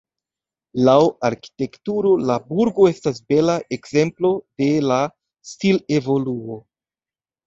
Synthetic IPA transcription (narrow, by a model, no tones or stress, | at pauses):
lawaɾki̥te̞ktuɾo̞labuɾɡo̞e̞stas̬be̞laʔe̞kz̥e̞mplo̞de̞la | stilevo̞luo̞